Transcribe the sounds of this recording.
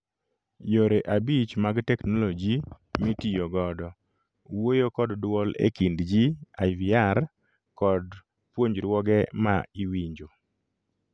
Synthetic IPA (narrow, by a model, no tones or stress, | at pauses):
joɾeʔabit͡ʃmaɡtɛknolod͡ʒi | mitijoɡɔdɔ | wojokɔddwɔlḛkindd͡ʒiaɪviaɾr | kɔd | pwoɲd͡ʒɾwɔɡɛma̰iwiɲd͡ʒo